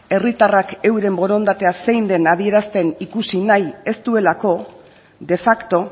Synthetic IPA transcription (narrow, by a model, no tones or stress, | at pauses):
e̞rit̪arake̞wɾe̞mbo̞ɾo̞nd̪at̪e̞ase̞jnd̪e̞nað̞ie̞ɾast̪e̞nikusinaje̞st̪ue̞lako̞ | d̪e̞fakt̪o̞